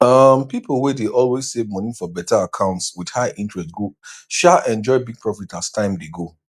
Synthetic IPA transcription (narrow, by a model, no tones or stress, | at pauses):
ʌmpipl̩ˠwɛdeʔɔlwez̥sevmɔnifɔbɛtaakʰãʊ̃ntswid̥haɪʔĩntɹɛstɡoʃaʔɛ̃nd͡ʒɔɪbiɡ̚pʰɹɔfitastʰãɪ̃mdeɡo